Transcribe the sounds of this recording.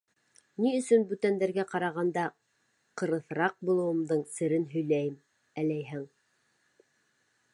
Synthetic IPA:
niɵ̆sɵnbʉt̪ænd̪æɾɡæqɑɾɑʁɑnd̪ɑ | qɤ̆ɾɤ̆θɾɑq̚bulˠɤ̆wɤ̆md̪ɤɴsɘ̆ɾɘnɦɵ̆jlæjɘm | ælæjɦɘŋ

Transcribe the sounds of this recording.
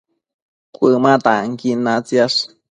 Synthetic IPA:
kʷɨmat̪aŋkinat͡sjaʂ

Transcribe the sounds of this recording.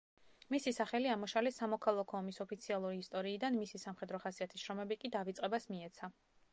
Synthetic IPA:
misisaχɛliamɔʃalɛsamɔkʰalˠakʰɔːmisɔpʰit̪sʰialˠuɾiːst̪ʼɔɾiːd̪anmisisamχɛd̪ɾɔχasiat̪ʰisʃɾɔmɛbikʼid̪avit̪sʼqʼɛbasmiɛt̪sʰa

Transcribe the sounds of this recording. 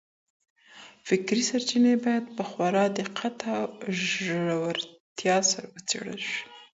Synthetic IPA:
fɪkɾisaɾt͡ʃinebɑjad̪pəxwaɾɑd̪əqʰat̪aʒawaɾt̪jɑsaɾawət͡sḛɽə̰lʃi̥

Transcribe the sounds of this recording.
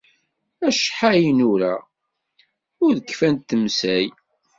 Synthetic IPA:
æʃħajənʊɾæ̰ | ʊɾðəkːfænt̪ːəmsæj

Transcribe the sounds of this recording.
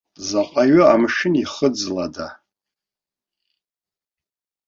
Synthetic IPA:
zaqʷʼaɥʊamʂɪniχəd͡zlada

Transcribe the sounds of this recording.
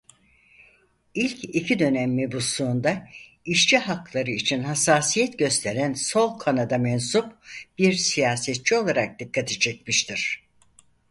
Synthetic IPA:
ilʲcʰicʰid̪ø̞nɛmːebusuːnd̪a | iʃt͡ʃʰiɦaklˠaɾɯit͡ʃʰinhasaːsijɛt̪ɟø̞st̪ʰeɾænso̞lˠkʰanad̪amɛnsupb̥iɾsijaːsɛt̪̚t͡ʃʰio̞lˠaɾak̚d̪ikʰːat̪ʰet͡ʃʰɛt̪̚miʃt̪ʰiɾ̥

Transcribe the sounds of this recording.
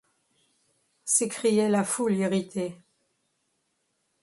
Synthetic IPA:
sekχijɛlafuliʁit̪ʰe

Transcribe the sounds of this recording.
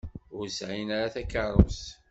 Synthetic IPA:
ʊɾsʕinaɾaθækːərˤo̰s

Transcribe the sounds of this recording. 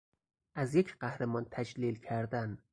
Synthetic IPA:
ʔæzjecʰɢæhɾemɒːnt̪ʰæd͡ʒlilcʰæɾd̪æn

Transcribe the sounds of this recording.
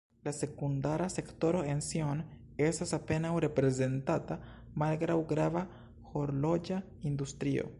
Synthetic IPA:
lase̞kund̪aɾase̞kt̪o̞ɾoension | est̪asape̞nawɾe̞pɾeze̞nt̪at̪a | malɡɾawɡɾava | xoɾlo̞d͡ʒa | ind̪ust̪ɾio̰

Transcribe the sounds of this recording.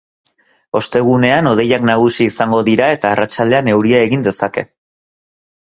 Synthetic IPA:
o̞st̪e̞ɣ̞une̞ano̞ð̞e̞jaknaɣ̞usiːsaŋɡo̞ðiɾae̞t̪aːrat͡ʃald̪e̞ane̞wɾiae̞ɣind̪e̞sake̞̰

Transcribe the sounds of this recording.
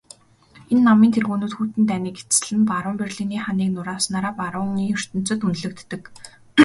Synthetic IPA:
enːamiːnt̪ʰerɣuːnuːt̪xuːt̪ɘ̆nt̪æniːke̥t͡sɘ̆ɮɘ̆npaɾə̆mperɮiniːχaniːknʊɾaːsnaːɾaːpaɾʊŋiːɵr̥t̪ɵ̆n̥t͡sɵ̆t̪ɵnɮɘ̆k̚t̪ːɘ̆k

